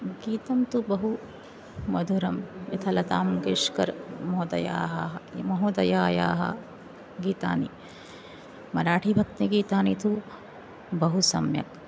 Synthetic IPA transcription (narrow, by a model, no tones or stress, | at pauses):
ɡiːt̪ɐmt̪ubɐɦu | mɐd̪ʱuɾɐmit̪ʰɐlɐt̪aːmɡeːʂkɐɾmɔɦod̪ɐ̰ja̰ːɦɐɦɐmɐɦoːd̪ɐjaːja̰ːɦɐ̰ | ɡiːt̪a̰ːnḭ | mɐɾaːʈʰibʱɐk̚t̪iɡiːt̪aːnit̪ʰu | bɐɦusɐ̰mjɐ̰k̚